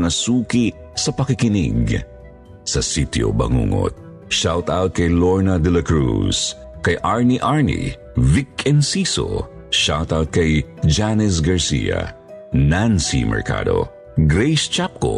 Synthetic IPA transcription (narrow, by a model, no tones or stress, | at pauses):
ŋɐsuːki | sɐpɐkɪkɪnḭɡ | sɐsit̪jo̰bɐ̰ŋṵːŋo̰t̪̚ | ʃawt̪awt̪̚kɐjloɹnɐd̪ɛlɐkɹṵs | kɐjʔaɹniʔaɹnḭ | vikɛnsiso̰ | ʃawt̪awt̪̚kɐjd͡ʒanɛs̬ɡɐɹsḭjɐ̰ | nansḭmɛ̰ɹka̰d̪o̞̰ | ɡɾɛjst͡ʃap̚ko̰